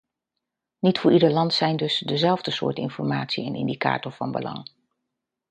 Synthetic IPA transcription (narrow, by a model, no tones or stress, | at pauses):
nitfʊːɹidəɹlɑntsɛjndɵsdəzɛlˠvdəsʊ̰ːɹtɪ̰nfɔɹmaːtsiɛnɪ̰ndika̰ːtɔɹvɑnbə̰lɑ̰ŋ